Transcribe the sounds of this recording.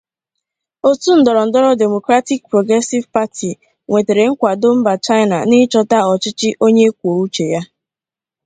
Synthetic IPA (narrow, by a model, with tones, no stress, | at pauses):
o˦tu˦n̩˦dɔ˨ɾɔ˨n̩˨dɔ˦ɾɔ˦de˨mo˨kɾa˦ti˦k̚pɾo˨ɡɾɛ˦si˦vpa˦ti˨ | ŋʷe˨te˨ɾe˨ŋ̩˦kʷa˨do˦m̩˦ba˨t͡ʃa˦ɪ˦na̰˨nɪ˦t͡ʃɔ˦ta˦ɔ˨t͡ʃɪ˦t͡ʃɪ˦ʔo˦ɲe˦k̚ʷo˨u˦t͡ʃe˨ja˦